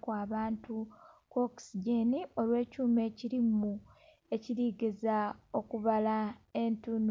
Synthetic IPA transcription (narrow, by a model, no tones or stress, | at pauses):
kwaːβaːntukoksiɟenio̞lwe̞ːcuːme̞ːciɾimu | e̞ciɾiːɡezao̞kuβalae̞ntun